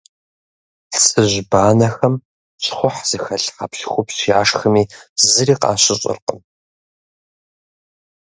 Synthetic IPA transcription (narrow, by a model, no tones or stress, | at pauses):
ɬt͡sʼɨʑbaːnɐxɐm | ɕʼχʷʊħz̥ɨxɐɬħa̰pɬxʷʊpɕiaːʂxɨmiːzɨɾiːqɑ̰ːɕʼɪɕʼɪ̰rqʼə̰m